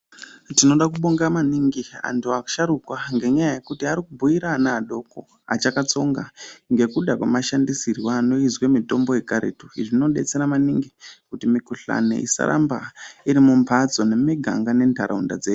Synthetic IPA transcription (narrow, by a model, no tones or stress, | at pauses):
tino̞ɗakuɓoŋɡamaniŋɡia̰ntʰuaku̥ʃaɾukwaŋɡe̞ɲajaje̞kutiaɾikubʱujiɾanaːɗo̞ko̞ | a̰t͡ʃakat͡so̞ŋɡaŋɡe̞kuɗakwamaʃandisirwaːno̞izwe̞mito̞mbo̞jekaɾḛtuiʐinoɗe̞̰t͡se̞ɾamaniŋɡikutimikuɬa̰nḛʔḭsa̰ɾa̰mba̰iɾimumpʰat͡so̞ne̞miɡʱa̰ŋɡane̞ndʱaɾa̰unda̰d͡zeːju